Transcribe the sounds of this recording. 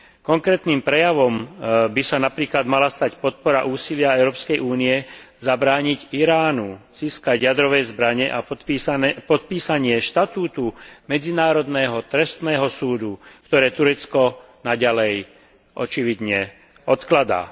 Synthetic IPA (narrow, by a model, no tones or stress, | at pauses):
kɔŋkɾɛːt̪niːmpɾɛjaʋɔmbisanapɾiːklad̪malast̪acpɔt̪̚pɔɾaʔuːsilɪaɛʊɾɔːpskɛjʔuːniɛzabɾaːɲiɟiɾaːnuz̥iːskaɟjad̪ɾɔʋɛjzbɾaɲɛʔa | pɔt̪̚piːsaɲɪɛʃt̪at̪uːt̪umɛd͡zinaːɾɔd̪nɛːɦɔt̪ɾɛst̪nɛːɦɔsuːd̪ukt̪ɔɾɛːt̪uɾɛt͡skɔ | naɟalɛj | ʔɔt͡ʃiʋid̪ɲɛ | ɔt̪klad̪a̰ː